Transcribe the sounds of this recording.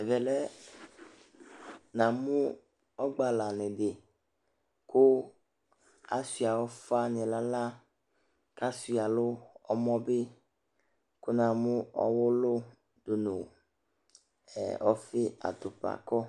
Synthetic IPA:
vɛ˨lɛ˦ | nã˨mũ˦ | ɔ˦ɡ͡ba˨la˨ne˨de˨ | ko˦ | a˨si˨a˨wɔ˦fa˦nẽ˨la˦la˦ | ka˦si˨a˨lo˦ɔ˦mɔ̃˦be˦ | ko˦nã˨mũ˦ɔ̰˦wo˦lo˦ | d̪o˨nṵ̃˨ | ɛ̰˨ɔ˦fe˦a̰˨t̪o˨pa̰˨kɔ˦

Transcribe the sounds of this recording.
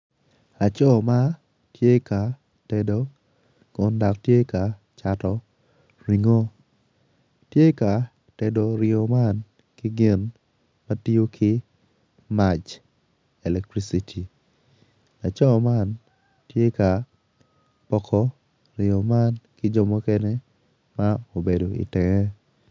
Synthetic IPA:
la˨t͡ʃɔ˦ma˦ | tje˦ka˨ | tɛ˨do˦ | kʊ˨nda˨ktje˦ka˨ | t͡ʃa˨tɔ˨ | ɾi˨ŋo˦ | tje˦ka˨ | te˨do˨ɾɪo˨ma˦n | kɪ˦ɡɪ˦n | ma˦ti˦o˦kʰɪ˦ | ma˨t͡ʃ | ɛ˨lɛ˨k̚tɾi˦si˨tʰi˨ | la˨t͡ʃɔ˦ma˦n | tje˦ka˨ | pɔ˦kʰɔ˦ | ɾɪ˨ɔ˨ma˦nkɪ˦d͡ʒɔ˦mɔ˦kɛ˦ne˦ | ma˦o˨be˨do˨ḭ˨tɛ˨ŋɛ˦

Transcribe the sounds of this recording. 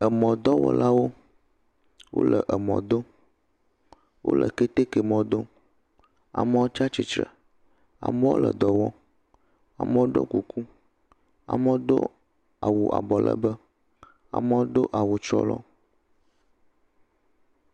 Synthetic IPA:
ə˨mɔ̃˨d̪ɔ˦wɔ̰˨la˦wo˦ | wʔo̰˦lə˨ʔə˨mɔ̰̃˨d̪o˦ | wʔo̰˦lʔə̰˨ke˦t̪e˦kɛ˨mɔ̃˨d̪o˦ | a̰˨mə˦wo˦t͡ʃa˦t͡ʃi˨t͡ʃɾə̰˨ | a̰˨mə˦wo̰˦lə˨d̪ɔ˨wɔ˦ | a̰˨mə˦wo˦ɖo̰˦ku˨ku˦ | a̰˨mə˦wo˦d̪o̰˦ | a˨wu˨ʔa̰˨bɔ˨lə̰˦bə˦ | a̰˨mə˦wo˦d̪o˦ʔa˨wu˨t͡ʃɾɔ̰˦lɔ˦

